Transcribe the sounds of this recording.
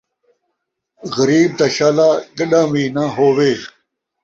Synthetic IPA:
ɣɐɾiːb̚t̪aɕaːlaːɡɐɗãːwiːnãɦoːweː

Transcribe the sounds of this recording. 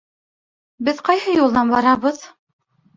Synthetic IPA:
bɘðqɑjhɤjulˠd̪ɑnbɑɾɑβɤð

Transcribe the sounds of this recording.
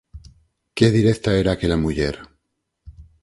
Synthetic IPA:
ke̞ðiɾe̞kt̪ae̞ɾaːkelamuʝeɾ

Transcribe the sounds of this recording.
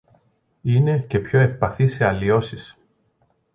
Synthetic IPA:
ine̞ce̞pço̞e̞fpɐθiseɐlio̞sis

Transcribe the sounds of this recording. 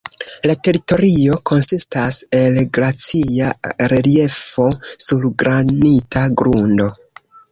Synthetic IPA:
late̞ɾito̞ɾio̞kʰo̞nsistase̞lɡɾat͡siaɾelie̞fo̞suɾɡɾanitʰaɡɾundo̞

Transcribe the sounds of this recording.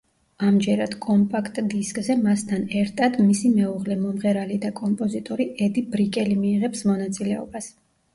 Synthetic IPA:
amd͡ʒɛɾad̪̥kʼɔmpʼakʰt̪ʼd̪iskʼzɛmast̪ʰanɛɾt̪ʼʰad̪misimɛuʁlɛmɔmʁɛɾalid̪akʼɔmpʼɔzit̪ʼɔɾiʔɛd̪ibɾikʼɛlimiːʁɛpsmɔnat̪sʼilɛɔ̰bas

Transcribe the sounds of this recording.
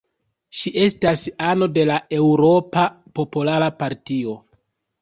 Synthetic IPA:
ʃiʔe̞stasano̞de̞lae̞wɾo̞pa | po̞polaɾapaɾtio̞

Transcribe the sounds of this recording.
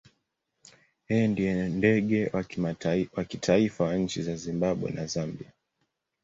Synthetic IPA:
hɛjɔndijɔndɛɠɛ | wakitʰaifawaɲ̩t͡ʃizazimbaɓwɛ̰nazambia

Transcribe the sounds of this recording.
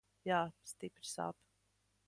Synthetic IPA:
jaːst̪ipɾ̥sa̰ːp

